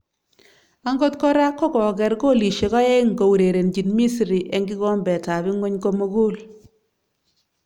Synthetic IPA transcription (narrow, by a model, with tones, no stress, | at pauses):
a˦ŋɡɔ˦tkɔ˦ɾa˦kːɔ˦kɔ˨kɛ˨rko˦˨li˨ʃe˨kɔ˦e˦ŋɡo˨wu˨ɾe˨ɾe˨nd͡ʒi˨nmi˦sɾi˨ʔɛ˦ŋɡi˦kɔ˦mbɛ˨ta˨bi˦ŋo˦ɲkɔ˦mo˦ɡo˦l